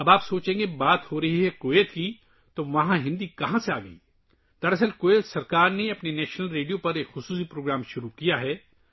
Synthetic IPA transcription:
ɐbaːpsoːt͡ʃẽːŋɡebaːt̪hoɾɐɦiɦɛkoːet̪ki | t̪oʋɐɦãɦɪ̃nd̪ikɐɦãseaːɡɐḭː | d̪̥ɐɾɐs̬əlkoːet̪sɐɾkaːɾneɐpnenɛːʃnəlɾeːɖijopɐɾeːkxʊsuːsipɾoːɡɾaːmʃʊɾukijaɦɛː

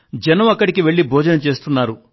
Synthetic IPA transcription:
d͡ʒɐnɐmɐkːɐɽikiʋe̞ɭːibʱɔːd͡ʒɐnɐt͡ʃe̞ːst̪unːaːɾu

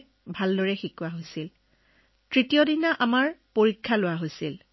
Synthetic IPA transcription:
bʱaldɔɹɛxikʊaɦojsil | tɹitijɔdinaʔamaɹpoɹikʰːalʊwaɦojsil

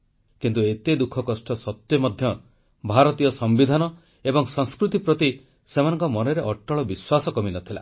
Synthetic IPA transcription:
kint̪uet̪ed̪ukʰɔkɔsʈɔsɔt̪jɔmɔd̪ʱjɔ | bʱaɾɔt̪ijɔsɔmbid̪ʱanɔ | ebɔŋsɔ̃ŋskɾut̪ipɾɔt̪i | semanɔ̃ŋkɔmɔneɾeʔɔʈːɔɭɔbiswasɔkɔminɔt̪ʰila̰

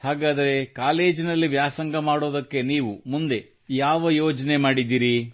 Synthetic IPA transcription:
haːɡaːd̪ɐɾe̞kaːle̞ːd͡ʒinɐlːiʋjaːsɐŋɡɐmaːɽo̞ːd̪ɐkːe̞niːʋumund̪e̞ | jaːʋɐjoːd͡ʒɐne̞maːɽid̪ːiːɾi

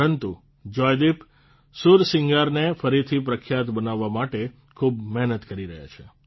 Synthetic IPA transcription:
ɾənt̪u | d͡ʒɔjd̪ip | suɾsɪŋɡaɾnefəɾit̪ʰipɾəkʰjat̪bənaʋːamaʈe | kʰubmɛɦnət̪kəɾiɾəɦja̰t͡ʃʰe

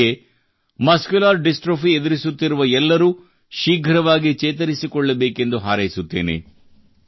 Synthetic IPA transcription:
e | mɐskjulaːɾɖisʈɾoːfied̪iɾisut̪ːiɾuʋɐɛlːɐɾuː | ʃiːɡʱɐɾɐʋaːɡit͡ʃeːt̪̬ɐɾisikɔɭːɐbeːke̞nd̪uɦaːɾɐjisut̪ːeːne̞̰

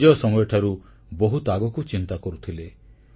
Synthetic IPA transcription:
ɔɔsɔmɔjɔʈʰaɾu | boɦut̪aɡɔkut͡ʃint̪akɔɾut̪ʰile

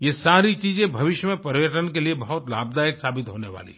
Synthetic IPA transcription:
jesaːɾit͡ʃiːzẽbʱɐʋɪʃjəmẽpɐɾjəʈənkeliebɐɦʊt̪la̰ːbd̪aːjəksaːbɪt̪ɦoːneʋa̰ːlḭ

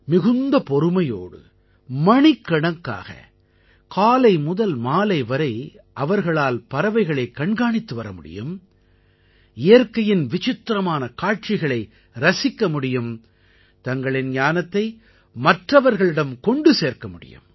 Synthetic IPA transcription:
mɪɣɯnd̪ɐpɔɾɯmɐjo̰ːɽɯ̰ | mɐɳɪkːɐɳɐkːa̰ːɣɐ̰ | kaːlɐɪmʊðɐlmaːlɐɪʋɐɾɐɪ | ʔɐʋɐɾɣɐɭaːlpɐɾɐʋɐɪɣɐɭɐɪkːɐɳɡaːɳɪt̪ːɯʋɐɾɐmʊɽɪ̰jɯm | ɪjɐɾkɐjɪnʋɪt͡ʃɪt̪ːɾɐmaːnɐkaːʈ̚t͡ʃɪɣɐɭɐɪ | ɾɐsɪkːɐmʊɽɪjɯm | t̪ɐŋɡɐɭɪnɲaːnɐt̪ːɐɪ | mɐʈrɐʋɐɾɣɐɭɪɽɐmkɔɳɖɯseːɾkɐmʊɽɪ̰jɯ̰m

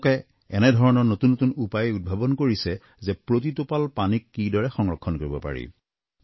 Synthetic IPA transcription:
kɛ | ɛ̰nɛdʱɔɹɔnɔɹnotunːotunupajud̚bʱabɔnkoɹisɛ | zɛpɹot̬itopalpanikːidɔɹɛxɔŋɹɔkʰːɔnkoɹibɔpa̰ɹḭ

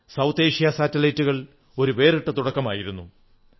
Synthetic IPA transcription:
sɐwt̪eːʂijɐsaːtːɐlɐjtːuɣɐɭ | o̞ɾuʋe̞ːriʈːɐt̪uɽɐkːɐmaːjiɾunːu

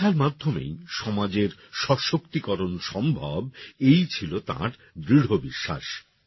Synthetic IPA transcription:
aɾmad̪ʱːomḛjʃɔmad͡ʑeɾʃɔʃokt̪ikɔɾonʃɔmbʱabejt͡ɕʰilot̪a̰ɾ | d̪ɾiɽ̤obiʃːa̰ʃ

